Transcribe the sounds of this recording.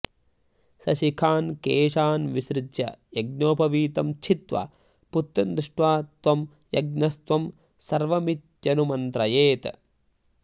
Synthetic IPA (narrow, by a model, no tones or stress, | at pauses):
sɐʃikʰaːnkeːʃaːnʋiʃɾɪd̪jɐ̰jɐɡnoːpɐʋiːt̪ɐmt͡ʃʰit̪ʋɐ̰ | put̪ːɾɐnd̪ɾɪʂʈʋaːt̪ʋɐm | jɐɡ̚nɐst̪ʋɐm | sɐɾʋɐmit̪̚d͡ʒɐnumɐnt̪ɾɐjeːt̪